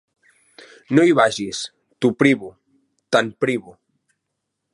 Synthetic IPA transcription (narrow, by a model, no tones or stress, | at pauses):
noiβaʒis | t̪upɾiβu | t̪anpɾiβu